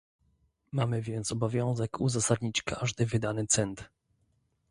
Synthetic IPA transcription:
mamɘvʲjɛnt̪sɔbɔvʲjɔ̃w̃zɛkʰuzasad̪ɲit͡ɕkʰaʐd̪ɘvɘd̪anɘt̪sɛnt̪

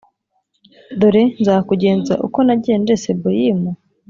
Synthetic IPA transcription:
d̪oɾe̞nzaːkuɟe̞ːnza̰ʔṵko̞naɟiend͡ʒesebojimo

